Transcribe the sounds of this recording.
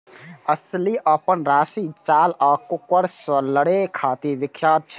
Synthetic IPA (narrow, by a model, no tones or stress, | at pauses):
əsliʔəpənɾaːsit͡ʃaːlaːkukːəɽsə̃ləɽekʰat̪iʋikʰːjaːd̪̚t͡ʃʰ